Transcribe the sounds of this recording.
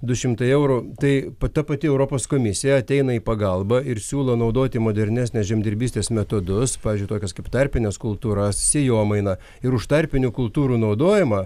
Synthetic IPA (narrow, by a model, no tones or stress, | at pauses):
d̪ʊʃʲɪmt̪ɐɪɛʊɾut̪ɐɪpɐt̪ɐpɐt̪ʲɪɛʊɾoːpoːskoːmʲɪsʲɪjɛɐt̪ʲɛɪnɐiːpɐɡɐlˠbɐɪɾsʲuːlˠɐnɐʊd̪oːt̪ʲɪmoːd̪ʲɛɾʲnʲæːsʲnʲɛsʒʲɛmʲd̪ʲɪɾʲbʲiːsʲt̪ʲeːsmʲɛt̪oːd̪ʊspɑːʋʲɪzd͡ʒʊɪt̪oːkʲɛskɐɪpt̪ɐɾʲpʲɪnʲɛskʊlˠt̪uːɾɐssʲeːjoːmɐɪnɐ | ɪɾʊʃt̪ɐɾʲpʲɪnʲuːkʊlˠt̪uːɾuːnɐʊd̪oːjɪmɑ